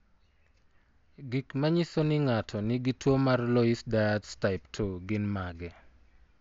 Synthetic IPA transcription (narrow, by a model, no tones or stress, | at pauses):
ɡikmaɲisonɪŋatʰɔnɪɡitwomarlɔisdaadstaɪptʰoɡɪnmaɡɛ